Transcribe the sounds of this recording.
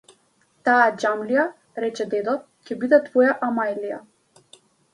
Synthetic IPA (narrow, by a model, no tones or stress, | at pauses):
t̪aad͡ʒamlija | ɾɛt͡ʃɛd̪ɛd̪ɔt̪̚cɛbid̪ɛt̪vɔjaʔamajlija̰